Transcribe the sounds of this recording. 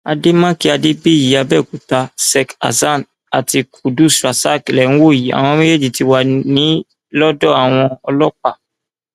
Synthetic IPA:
a˧de˦mã˦ki˦a˧de˦bi˦˨ji˨a˧bɛ˦˨ku˨ta˧sɛ˧ka̰˨za˦˨n | a˨ti˧kʰu˨du˦sɾa˨sa˦klɛ˨ñ̩˦wo˦˨ji˨a̰˨w̃ɔ̃˧˦ĩ˦le˦d͡ʒi˦˨ti˧wa˧nĩ˨˦ | lɔ˦dɔ˦˨a˨w̃ɔ̃˧ɔ˧lɔ˦k͡pa˦˨

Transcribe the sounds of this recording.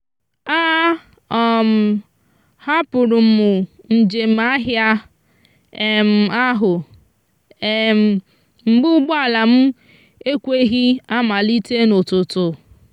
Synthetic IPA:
a˦ | ɔ˨m̩˨ | ha˦pʊ˨ɾʊ˨m̩˨ʊ˨ | n̩˨d͡ʒe˨m̩˦˨a˦ɦja˦ | e˨m̩˨a˦ɦʊ˨ | e˨m̩˨ | m̩˨ɡ͡bʊ˦ʊ˦ɡ͡bɔ˦a˦˨la˨m̩˦ | e˦kʷe˦ɦi˦a˦ma˨li˦te˦no˨tʊ˨tʊ˨

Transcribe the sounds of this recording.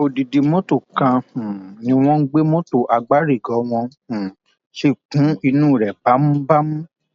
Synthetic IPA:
o˧di˨di˧mõ˦to˦˨kã˧hũ˨nĩ˧w̃ɔ̃˦n̩˦ɡ͡be˦mo˦to˦˨ʔa˧ɡ͡ba˦ɾi˦˨ɡɔ˨˦w̃ɔ̃˧hũ˨ | ʃe˦˨kũ˨˦i˧nũː˦˨ɾɛ˨ba˨˦mũ˦ba˦mũ˦

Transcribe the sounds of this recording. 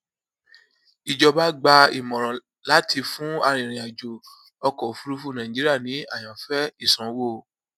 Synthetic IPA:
i˨d͡ʒɔ˧ba˦ɡ͡ba˧i˨mɔ̃˨ɾ̃ɔ̃˨ | la˨˦tʰi˧fũ˦a˧ɾ̃ĩ˨ɾ̃ĩ˨a˨d͡ʒo˨ | ɔ˧kɔ˨fu˦ɾu˦fu˦˨nã˨ĩ˨d͡ʒi˦i˦a˦˨nĩ˨˦a˦˨j̃ã˨fɛ˦i˦˨sã˨˦wo˦˨

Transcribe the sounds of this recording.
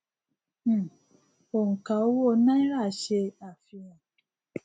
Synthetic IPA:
o˨ŋ̩˨kã˨o˦wo˦˨˦nã˦i˦ɾa˦˨ʃe˧a˨fi˧jã˨

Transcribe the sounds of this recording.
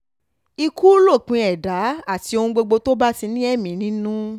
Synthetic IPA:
i˧ku˦lo˦˨k͡pĩ˧ɛ˨da˨˦a˦˨ti˧o˧ũ˧ɡ͡bo˧ɡ͡bo˧to˦ba˦ti˧nĩ˦ɛ˦˨mĩ˨˦nĩ˦nũ˦

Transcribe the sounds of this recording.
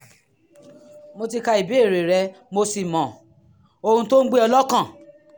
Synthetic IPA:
mo˧ti˧ka˧i˨bi˨˦e˦˨ɾe˨ɾɛ˧ | mo˧si˨mɔ̃˨ | o˧hũ˧to˦ɡ͡be˦ɔ˧lɔ˦kã˦˨

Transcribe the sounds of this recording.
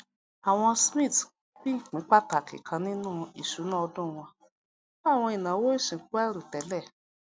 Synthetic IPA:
a˨w̃ɔ̃˧smĩ˦˨t | k͡pi˦˨k͡pĩ˨˦k͡pa˦ta˨kḭ˨kʰã˧˦nĩ˦nũː˦˨i˨ʃu˨˦nã˦ɔ˧dũ˦˨w̃ɔ̃˧˦˨ | w̃ɔ̃˧i˨nã˨wo˦i˦˨ʃĩ˨˦k͡pu˦a˦ɾu˨tɛ˨˦lɛ˦˨

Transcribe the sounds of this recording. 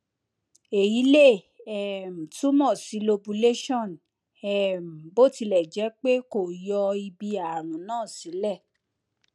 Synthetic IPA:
e˨ji˨˦le˦˨ | ɛ˨m̩˨tu˦mɔ̃˦˨si˨˦lo˧bu˧le˦ʃɔ̃˦˨n | ɛ˦˨m̩˨bo˦˨ti˧lɛ˨d͡ʒɛ˨˦k͡pe˦ko˨jɔ˧i˧bi˧a˨ɾ̃ũ˨˦nãː˦˨si˨˦lɛ˦˨

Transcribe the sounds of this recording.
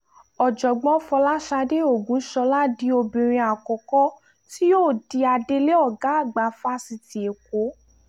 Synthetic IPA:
ɔ˨d͡ʒɔ˨ɡ͡bɔ̃˨˦fɔ˧la˦ʃa˧de˦o˦˨ɡũ˨˦ʃɔ˧˦la˦di˨˦o˧bĩ˧˨ɾ̃ĩ˧a˨kɔ˨kɔ˦ | ti˦joː˦˨di˧a˧de˧le˦ɔ˦˨ɡa˨˦a˦˨ɡ͡ba˨˦fa˦si˧ti˨e˨ko˨˦

